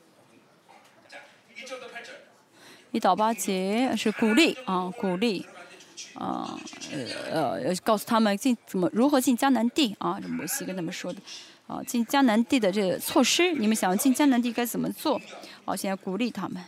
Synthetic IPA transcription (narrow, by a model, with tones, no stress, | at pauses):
i˥˩t̪ɑ˨˩ʊpa˥t͡ɕjɛ˧˥ʂɻ̩˥˩ku˨˩li˥˩ɑ˥˧ku˨˩li˥˩ | ə̰˧˩ | ə̰˧˩˧kɑ˥˩ʊsu̥˥˩t̪ʰa˥mə˨nt͡ɕi˥˩nt͡sə˨˩mə˦ɻu˧˥xɤ˧˥t͡ɕi˥˩nt͡ɕja˥na˧˥nt̪i˥˩ɐ̰˥˧ʈ͡ʂə˥˩mɔ˧˥ɕi˥kə˥na˥˩mə˩ʂwɔ˥d̪ə˨ | ɐ̰˧t͡ɕi˥˩nt͡ɕja˥na˧˥nt̪i˥˩d̪ə˩ʈ͡ʂɤ˥˩ɡə̰˩t͡sʰwɔ˥˩ʂɻ̩˥ni˨˩mə˦˥ɕɑ˨˩ŋjɑ˥˧˩t͡ɕi˥˩nt͡ɕjɑ˥n˧˥nt̪̬i˥˩ka˥ɪt͡sə˨˩mə̰˦t͡swɔ˥˩ɑ̰˥˧˩ɕjn˥˩ku˨˩li˥˩t̪ʰa˥mə˨n